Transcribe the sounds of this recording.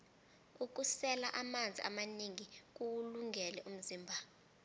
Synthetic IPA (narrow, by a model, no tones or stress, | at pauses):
uk̬usɛlaʔamand͡zʱḭʔa̰maniŋik̬uwuluŋʱɛlɛʔum̩ziːmbʱa